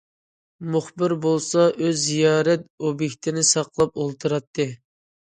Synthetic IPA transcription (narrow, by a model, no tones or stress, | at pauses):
muχbɪɾbolˠsɑʔøzːijɑːɾɛt̪̚objekʲt̪ʰɪnɪsɑqʰlˠɑpolˠt̪ʰɨɾɑt̪ʰːɨ